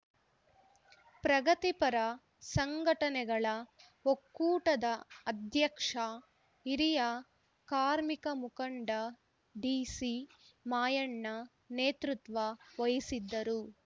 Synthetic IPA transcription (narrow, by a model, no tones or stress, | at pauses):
pɾɐɡɐt̪ipɐɾɐ | sɐŋɡʱɐʈɐnɛɡɐɭɐ | ɦokːuːʈɐd̪ɐɐd̪ʱjɐkʂɐ | iɾijɐ | kaːɾmikɐmukɐɳɖɐ | ɖiːsi | maːjɐɳːɐ | neːt̪ɾut̪ʋɐʋɐjisid̪ːɐɾu